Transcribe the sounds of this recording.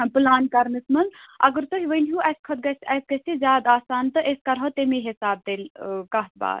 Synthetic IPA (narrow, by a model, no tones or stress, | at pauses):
plaːnkɐɾnɨsmɐnd̪ʔɐ̰ɡəɾt̪oɦiʋənɦuʔɐskʰɐt̪̚ɡɐsɐsɡɐsizʲjaːd̪aːsaːnt̪ɨʔeskɐɾɦot̪emeɦisaːb̚d̪eːlkɐɦt̪̚ba̰ːt̪